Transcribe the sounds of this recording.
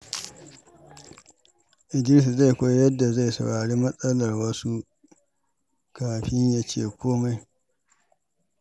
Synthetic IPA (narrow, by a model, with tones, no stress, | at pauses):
ʔɪ˨d͡ʒɪ˦ɾɪ˦s̬i˨za˦˨jkʷa˦jjɐ˦dːa˨za˦˨jsɐ̰˨wɽaː˨ɽiː˦mɐ˦sʼɐ˦lɐ˨rwɐ˦su˦ | kaː˨ɸɪ˦ɲjaː˦t͡ʃḛː˦˨kʷoː˦ma˦j